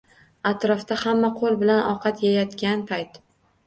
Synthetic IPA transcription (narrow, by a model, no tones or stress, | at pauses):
at̪ɾɒft̪ahamːaqʰolˠbɪlanɒqʰɑt̪jajɒt̪kʲanpʰajt̪